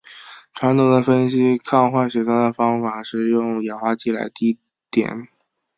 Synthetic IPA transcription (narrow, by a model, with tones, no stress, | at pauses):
ʈ͡ʂʰwa˧˥nt̪o˨˩d̪ə˦˩fə˥nɕi˥kʰɑ˥˧ŋxwa˥˩nɕɛ˨˩t̪ʰa˥d̪ə˩fɑ˥ŋfa˨˩ʂɻ̩˥˧jʊ˥˩ŋjɛ˨˩nxwa˥t͡ɕi˥˩la̰˧˥ɪt̪i˧˥˩ | t̪jɛ̰˨˩˦n